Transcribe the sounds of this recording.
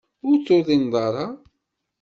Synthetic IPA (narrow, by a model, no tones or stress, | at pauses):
ʊɾt͡sːoðˤinðˤɑɾˤɑ